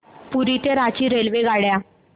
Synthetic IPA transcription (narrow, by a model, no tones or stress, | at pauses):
puɾit̪eɾat͡ɕiːɾelʋeɡaɽja